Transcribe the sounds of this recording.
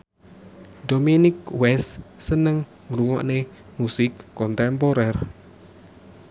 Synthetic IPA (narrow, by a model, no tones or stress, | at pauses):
dominɪkwɛssənəŋ | mɾuŋɔ̰ʔne | musɪkːɔnt̪ɛmpoɾɛr